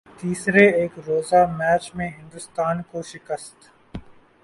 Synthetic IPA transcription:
t̪iːsɾeeːkɾoːzamɛːt͡ʃmẽɦɪ̃nd̪ʊst̪aːnkoʃɪkəst̪

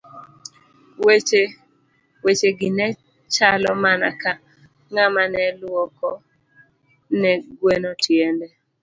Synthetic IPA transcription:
wet͡ʃe | wet͡ʃeɡɪnɛ | t͡ʃalɔmana̰ka | ŋamanɛlwɔkɔ | nɛɡwenɔtjɛndɛ

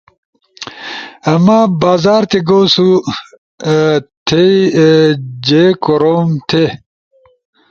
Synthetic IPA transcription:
ɐmabaːzaːɾt̪eɡowsu | t̪ʰe | d͡ʑekoɾomt̪ʰe

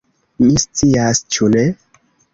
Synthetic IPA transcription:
mist͡siast͡ʃune

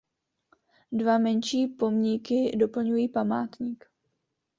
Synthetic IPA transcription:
dvamɛɲʃiːpo̞mɲɪkɪdo̞pl̩ɲujiːpamaːt̪ɲik

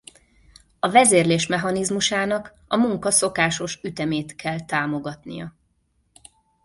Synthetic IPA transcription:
ɒvɛzeːrleːʃmɛɦɒnizmuʃaːnɒk | ɒmuŋkɒso̞kaːʃo̞ʃyt̪ɛmeːt̪kʰɛlt̪aːmo̞ɡɒt̪nḭjɒ

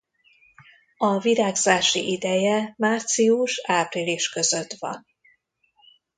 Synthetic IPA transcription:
ɒviɾaːɡzaːʃḭʔid̪ɛjɛmaːrt̪siuʃaːpriliʃkø̞zø̞t̪ʋɒ̰n

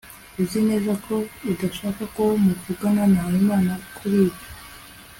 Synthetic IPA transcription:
uzine̞zakʰo̞udaʃaːkakomuvuɡananaawimaːnakʰuɾiːβḁ

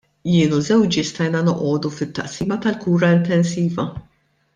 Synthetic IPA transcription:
jɪːnuzɛwt͡ʃɪst̪ɐjnɐnɔʔɔːd̪ufɪt̪ːɐʔsiːmɐt̪ɐlkuːɾɐɪnt̪ɛnsiːvɐ

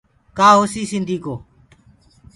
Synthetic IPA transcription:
kaːɦoːsiːsɪ̃nd̪ʱiːkoː

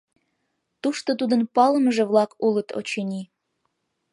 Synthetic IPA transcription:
t̪uʃt̪ot̪ud̪ənpɑləmʒeβlɑkulət̪ʰo̰t͡ɕenʲi

